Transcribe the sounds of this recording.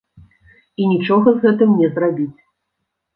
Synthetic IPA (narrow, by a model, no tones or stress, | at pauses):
inʲit͡ʂɔɣɐzɣɛt̪ɨmnʲɛzrabʲit͡sʲ